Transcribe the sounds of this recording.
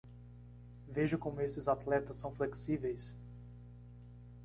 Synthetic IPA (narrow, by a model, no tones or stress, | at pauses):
veʒʊkõmʊesɪzat̪lɛt̪ɐsːɐ̃w̃fleksivejs